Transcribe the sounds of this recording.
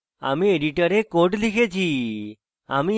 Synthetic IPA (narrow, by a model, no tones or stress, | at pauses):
a̰mĩeɖiʈəɾekoʈlikʰet͡ʃʰi | a̰mĩ